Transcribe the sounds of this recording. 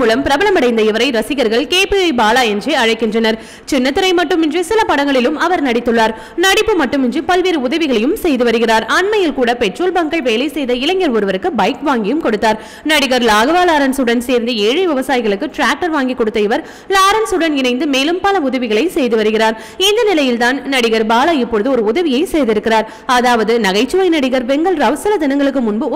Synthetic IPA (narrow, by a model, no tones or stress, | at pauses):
uːlɐmpɪɾɐbɐlɐmɐɽɐɪnd̪ɐɪʋɐɾɐɪɾɐsɪɣɐɾɣɐɭkeːpiɐɪbaːlaːjɛnd͡ʒeɐɻɐɪkːɪndrɐnɐɾ | t͡ʃɪnːɐt̪ːɯɾɐɪmɐʈːɯmɪndrɯsɪlɐpɐɽɐŋɡɐɭɪlɯmɐʋɐɾnɐɽɪt̪ːɯɭːaːɾ | nɐɽɪpːɯmɐʈːɯmɪndrɯpɐlʋeːɾɯʊðɐʋɪɣɐɭɐjɯmsɛjðɯʋɐɾɯɣɪraːɾɐɳmɐjɪlkuːɽɐpɛʈroːlbɐŋkɐɭʋeːlɐɪsɛjðɐɪlɐŋːɐɾɔɾɯʋɐɾɯkːɯbɐɪkʋaːŋɡɪjɯmkɔɽɯt̪ːaːɾ | nɐɽɪɣɐɾlaːɣɐʋaːlaːɾɐnsuɽɐnseːɾnd̪ɯeːɻɯʋɪʋɐsaːjɪɣɐɭɯkːɯʈɾaːk̚ʈɐɾʋaːŋɡikːɔɽɯt̪ːɐɪʋɐɾ | laːɾɐnsuɽɐnɪnɐɪnd̪ɯmeːlɯmpɐlɐʊðɐʋɪɣɐɭɐɪsɛjðɯʋɐɾɯɣɪraːɾ | ɪnd̪ɐnɪlɐjɪlt̪aːnnɐɽɪɣɐɾbaːlaɪpːɔɻɯðɯɔɾɯʊðɐʋɪjɐɪsɛjðɪɾɯkːɪraːɾ | ɐðaːʋɐðɯnɐɣɐɪt͡ʃːɯʋɐɪnɐɽɪɣɐɾbɛŋɡɐɭɾɐʋɐsɐlɐd̪ɪnɐŋɡɐɭɯk̬ːɯmʊɳbɯ